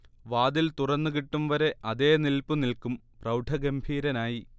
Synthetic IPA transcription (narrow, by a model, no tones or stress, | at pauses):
ʋaːd̪ilt̪urɐnːuɣiʈːumʋɐɾe̞ʔɐðe̞ːnilpunilkum | prɐwʈʰɐɡembʱiːɾɐnaːji